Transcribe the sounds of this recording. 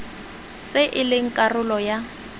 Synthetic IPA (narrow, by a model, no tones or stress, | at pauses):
t͡sʼeʔɪlɪŋ̩kʼarʊlɔja